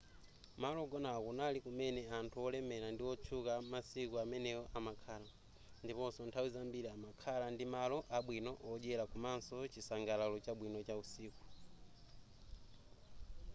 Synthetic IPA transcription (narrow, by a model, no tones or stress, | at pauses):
malɔɡɔnakunalikumɛnɛantʰuɔlɛmɛɾandiɔt͡ʃʰukamasikuamɛnɛjɔʔamakʰaːla | ndipɔnsɔntʰawizambiɾiamakʰalandimalɔʔaɓwinɔʔɔd͡ʒɛɾakumansɔt͡ʃisaŋɡalalɔt͡ʃaɓwinɔt͡ʃausiːku̥